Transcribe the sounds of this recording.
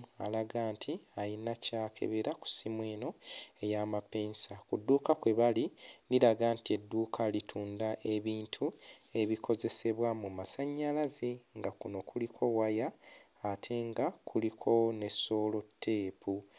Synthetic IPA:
a̰laɡaːntʰiajinacaːkʰe̞̰βeɾaku̥simweːno̞e̞jaːmapeːnsakudːuːkakweβaliniɾaɡaːntie̞dːuːkʰalitʰuːndaʔe̞βiːntʰue̞βikʰo̞ze̞se̞βwamumasaɲːalazeŋɡakuno̞kulikʰo̞wajaː | tʰe̞ŋɡakʰulikʰo̞ne̞sːo̞ːlo̞tʰːe̞ːpu

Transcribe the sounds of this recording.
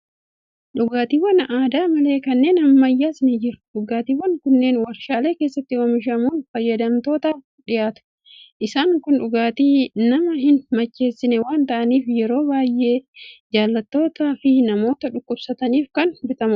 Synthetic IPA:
ᶑʊɡaːt̪iːwɐnaːd̪aːmɐle̞ːkɐnːe̞ːnɐmmɐjːaːsɪnɪd͡ʒɪɾʊ̥ᶑʊɡaːt̪iːwɐnkʊnːe̞ːnwɐɾʃaːle̞ːke̞ːsːɐt̪ːɪwɐmɪʃ̬ɐmuːnfɐjːɐd̪ɐmt̪o̞ːt̪aːf | ᶑɪjaːt̪ʊ̥ | ʔɪsaːŋkʊnᶑʊɡaːt̪iːnɐmɐɦɪnmɐt͡ʃːe̞ːsːɪnɛwaːnt̪ɐʔɐniːfjɛɾo̞ːbaːjʔe̞ːd͡ʒaːlːɐt̪ːo̞ːt̪aːfɪnɐmo̞ːt̪ɐᶑʊkːʊbsɐt̪ɐniːfkɐnbɪt̪ɐmʊ

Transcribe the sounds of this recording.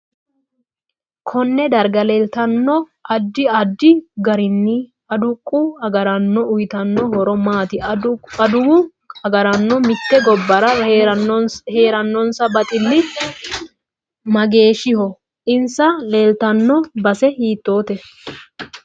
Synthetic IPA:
kʰɔnːɛd̪ɐɾɡɐleːlt̪ɐnːɔ | ʔɐd̪ːɪɐd̪ːɪɡɐɾɪnːɪ | ɐd̪ʊkʼːʊɐɡɐɾɐnːɔʊjɪt̪ɐnːɔhɔɾɔmaːt̪ɪɐd̪ʊwʊ | ɐɡɐɾɐnːɔmɪt̪ːɛɡɔbːɐɾɐ | he̞ːɾɐnːɔnsɐbɐt̪ʼɪlːɪ | mɐɡe̞ːʃɪhɔ | ʔɪnsɐle̞ːlt̪ɐnːɔbɐsɛhiːt̪ːo̞ːt̪ɛ

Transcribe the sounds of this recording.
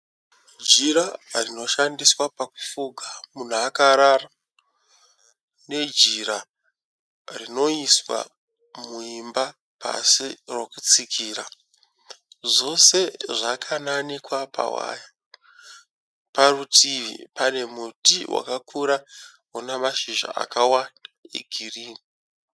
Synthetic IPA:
d͡ʒiɾarino̞ʃandiswapaku̥fuɡʱamun̤uakaɾara | ne̞d͡ʒiɾa | rino̞iswa̰ | muimba | pa̰sirwo̞kut͡sikʰiːɾa | ʐo̞se̞ʐakʰananikwapa̰wa̰ja | parutʰiʋḭpane̞mutiwʔa̰kakʰuɾaɦunamaʃiʒa̰a̰kawandaḛɡʱiriːni

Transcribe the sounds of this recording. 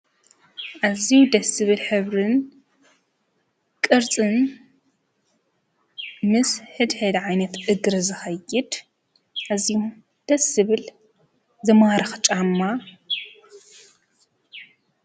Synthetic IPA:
ʔaziud̪ɐsɨβɨlħɨβɾɨn | kʼɨɾt͡sʼɨn | mɨsħɨd̪ħɨd̪ʕajnɐt̪ʔɨɡɾɨzɨxɐjːɪd̪ | ʔaziju | d̪̥ɐsɨβɨl | zɨmaɾɨxt͡ʃʼamːa

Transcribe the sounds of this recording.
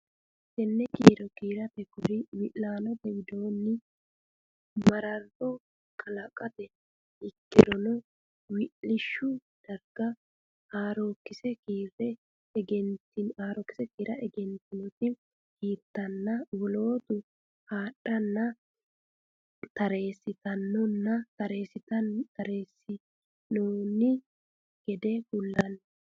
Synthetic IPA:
sɛnːɛkiːɾɔkiːɾɐpɛkʊɾɪwɪʔlaːnɔt̪ɛwɪd̪oːnːɪ | mɐɾɐɾɔ | kʰɐlɐkʼɐt̪ɛ | ɪkːɪɾɔnʊ | wɪʔɪʃːʊd̪̥ɐɾɡ̥ɐ | aːɾoːkːɪsɛkiːɾɛ | ɡɛnt̪ɪnaːɾɔkːɪ̥sɛkiːɾɐʔɛɡɛnt̪ɪnɔt̪ɪ | kiːt̪ːɐnːɐwɔlo̞ːt̪ʊ | haːɗːɐnːɐ | t̪ɐɾe̞ːsɪt̪ɐnːɔnːɐt̪ɐɾeːsɪt̪ɐt̪ɐɾeːsːɪ | noːnɪ | ɡ̥ɛd̪ɛɡʊlːɐn

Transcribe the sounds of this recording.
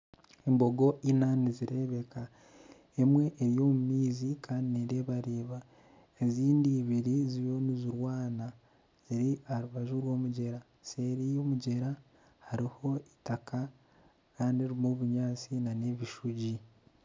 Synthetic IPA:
embo̞ɡo̞ʔinaniziɾe̞βe̞ka | emwe̞ʔːɾjo̞ːmumiːzikʰaːndineɾeːβaɾeːβa | eziːndiːβiɾiziβjo̞niziɾwaːna | ziɾiaɾuβaʒuɾwo̞ːmuɟe̞ɾa | se̞ːɾijo̞ːmuɟe̞ɾa | haɾiho̞itakʰa | kaːndieɾimuβuɲaːt͡sinane̞βiʃuɟi

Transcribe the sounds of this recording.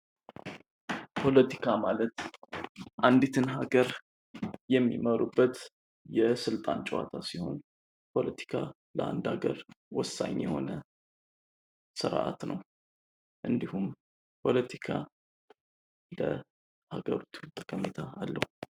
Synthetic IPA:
pʰo̞lət̪ʰikʰamalət̪ | ʔand̪it̪ʰɨnɦaɡəɾ | jɛmːiməɾubːət̪ | jɛsɨlt̪ʼant͡ʃʼwa̰t̪ʰasiho̞̰n | pʰo̞lət̪ʰi̥kʰa | ləa̰nd̪aɡəɾwɔsːa̰ɲjɛho̞̰nə | sɨɾʔa̰t̪nəw | ʔɨnd̪ihum | pʰo̞lət̪ʰikʰa | lə | haɡəɾot̪ʰut̪ʼəkʼəmet̪ʰaalːəhu

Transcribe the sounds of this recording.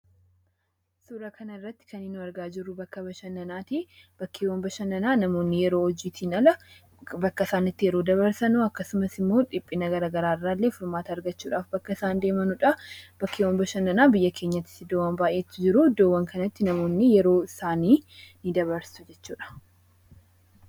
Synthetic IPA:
suːɾɐkʰɐnɐɪrːɐt̪ːɪ̥kʰɐnːɪnʊɐɾɡaːd͡ʒɪrːʊbɐkːɐbɐʃɐnːɐnaːt̪i | b̥ɐkʰːeːwɐmbɐʃɐnɐnaːnɐmo̞ːnːɪjɛɾoːɔd͡ʒiːt̪ʰiːnɐlɐ | bɐkːɐɪsaːnɪt̪ːɪjɛɾo̞ːd̪ɐβɐɾsɐnʊɐkːɐsʊmɐsɪmːo̞ːᶑɪpʼːɪnɐɡɐɾɐɡɐɾaːɪrːaːlːe̞ːfɪɾmaːt̪ɐɾɡɐt͡ʃːuːᶑaːfbɐkːɐɪsaːnd̪e̞ːmɐnʊᶑɐb̥ɐkːewɐmbɐʃɐnːɐnaːbɪjːɐkʰe̞ɲːɐt̪ːɪ̥t̪ːɪd̪oːwːɐnbaːʔe̞ːt̪ːɪd͡ʒɪɾʊd̪oːwːɐŋkʰɐnɐt̪ːɪnɐmo̞ːnːɪjɛɾo̞ːɪsaːniːnɪd̪ɐβɐɾsʊ̥d͡ʒɛt͡ʃːuːᶑɐ̥

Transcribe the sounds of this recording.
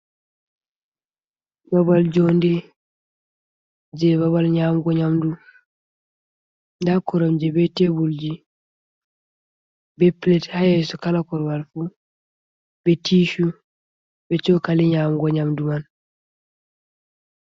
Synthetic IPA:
babald͡ʒɔndɛ | d͡ʒɛβabalɲamɡɔɲamdu | ndakɔɾɔmd͡ʒɛbɛtebuld͡ʒi | bɛplɛthajɛsɔkalakɔɾbalfu | bɛtiʃu | bɛt͡ʃɔkaliɲamɡɔɲamduman

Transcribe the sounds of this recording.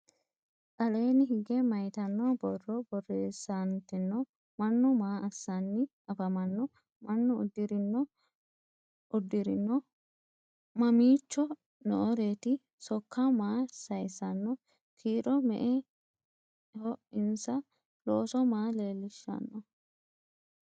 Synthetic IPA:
kʼɐle̞ːnɪɦɪɡɛmɐjt̪ɐnːɔbɔrːɔbɔrːe̞ːsːɐnt̪ɪnːɔ | mɐnːɔmaːʔɐsːɐnːɪ | ɐfɐmɐnːɔ | mɐnːɔʊ̰d̪ːɪɾɪnːɔ | ʔʊd̪ːɪɾɪnːɔ | mɐmiːt͡ʃːɔ | nɔ̰ʔɔɾe̞ːt̪ɪ | sɔkːamaːsɐjsɐnːɔ | kʰiːɾɔmɛ̰ʔɛ | hɔɪnsɐ | loːsɔmaːleːlːɪʃːɐ̰nːɔ

